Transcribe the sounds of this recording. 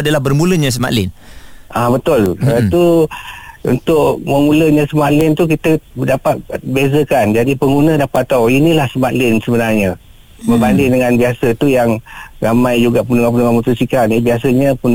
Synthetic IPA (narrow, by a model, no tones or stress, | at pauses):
adəlahbərmuləɲas̬əma̰ʔlɪnʔabət̪ʊlət̪u | ṵnt̪ʊʔməmuləɲãsəmaʔlɪnt̪ukit̪ədapat̪̚bezəkand͡ʒadipəŋɡunədapat̪ːawinilahsəmaʔlɪnsəbənarɲa | məbandɪŋdəŋanbiasət̪ujaŋramãjd͡ʒuɡaʔpunuŋapunuŋamut̪usikanibias̬əɲapun